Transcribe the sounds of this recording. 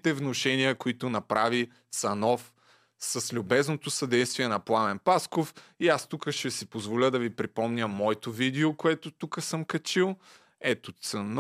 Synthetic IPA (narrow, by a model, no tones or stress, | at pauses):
t̪ɛvnoʃɛniəkoit̪ʊnɐpɾavi | t̪sɐnɔf | sɐslʲʊbɛznot̪osɐd̪ɛjst̪viɛnɐplˠanɛnpaskofiast̪ukəʃtɛsipozvolʲəd̪ɐvipɾipɔmnʲəmːɔɛt̪ovid̪ɛokoɛt̪ot̪ukəsəmkɐt͡ʃilˠ | ɛt̪ot̪sɐn